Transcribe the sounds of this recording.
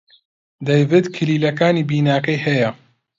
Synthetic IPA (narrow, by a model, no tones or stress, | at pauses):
d̪ajvɨd̪kʰɨliːlɐkaːniːbiːnaːkɐjhɐjɐ